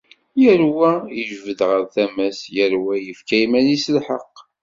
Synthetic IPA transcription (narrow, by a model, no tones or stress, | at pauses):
jəɾwæəʒvəd̪ʁəɾθæmæsjəɾwæjəfkæjmælislħə̰qː